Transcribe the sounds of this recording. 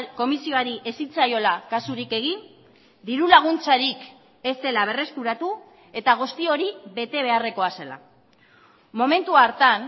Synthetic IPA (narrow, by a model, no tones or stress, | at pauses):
ko̞misio̞aɾiʔesit͡sajo̞lakasuɾike̞ɣ̞in | d̪iɾulaɣ̞unt͡saɾik | e̞st̪e̞laβ̞e̞re̞skuɾat̪u | e̞t̪aɣ̞ust̪io̞ɾiβe̞t̪e̞β̞e̞are̞ko̞ase̞la̰ | mo̞me̞nt̪uaɾt̪an